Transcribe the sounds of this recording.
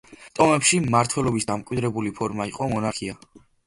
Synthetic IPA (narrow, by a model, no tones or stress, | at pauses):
t̪ʼɔmɛpʃimaɾt̪ʰwɛlˠɔbisd̪amkʼwid̪ɾɛbulipʰɔɾmaiqʼɔmɔnaɾkʰia